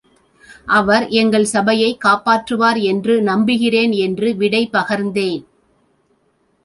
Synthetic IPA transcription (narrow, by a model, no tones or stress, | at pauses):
ʔɐʋɐɾɛŋɡɐɭsɐbɐjɐɪkːaːpaːʈrɯʋaːɾɛndrɯnɐmbɪɣɪreːnɛndrɯʋɪɽɐɪpɐɣɐɾnd̪eːn